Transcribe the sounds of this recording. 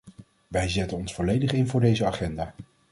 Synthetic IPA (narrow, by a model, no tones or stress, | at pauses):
ʋɛjzɛtənɔnsfɔlejdəχɪnvʊːɹdejzəaːχɛndaː